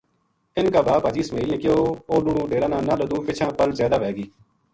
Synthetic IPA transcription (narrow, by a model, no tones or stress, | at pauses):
ɪnkaːbaːpəd͡ʒiːsmeːliːẽːkɪoːoːɗuːɽũːɖeːɾãːnãːnãːləd̪ũːpɪt͡ʃʰãːpəlzjaːd̪aːʋɛːɡiː